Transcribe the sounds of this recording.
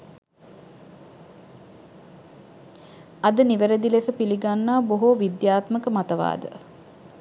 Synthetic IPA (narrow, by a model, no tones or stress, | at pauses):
ɐd̪əniʋəɾəd̪ilesəpiliɡanːaːboɦoʋid̪jaːt̪məkəmat̪əʋa̰ːd̪ə̰